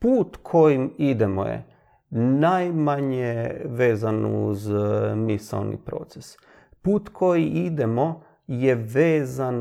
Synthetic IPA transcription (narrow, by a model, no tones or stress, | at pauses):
puːt̪kʰojimid̪emo̰jḛ | najmaɲeʋe̞ːzanṵzmisa̰lnḭpɾo̞̰t̪ses | puːt̪kʰo̞jiʔid̪emo̞ | jeʋeːzan